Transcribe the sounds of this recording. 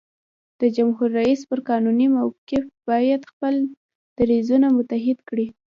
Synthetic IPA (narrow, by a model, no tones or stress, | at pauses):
d̪̥əd͡ʒamhuɾːaispəɾkɑnunimawkefb̥ɑjad̪xpəl | d̪̥aɾezunamʊt̪aɦɪd̪kɽi